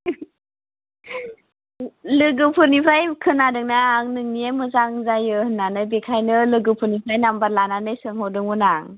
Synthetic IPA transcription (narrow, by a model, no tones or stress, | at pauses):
lɯɡɯpʰɯnipʰɾajkʰɯnadɯŋnaːŋnɯŋniamɯzaŋzajɯhɯnːanɯjbekʰajnɯlɯɡɯpʰɯnipʰɾajnambaɾlananɯjsɯŋhawdɯŋunaŋ